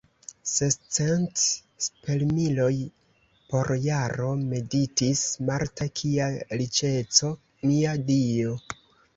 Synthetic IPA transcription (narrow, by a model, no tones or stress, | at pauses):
sest͡sent | spe̞lmilo̞j | po̞ɾjaɾo̞me̞ditismaɾtakʰiaɾit͡ʃe̞t͡so̞ | miadio̞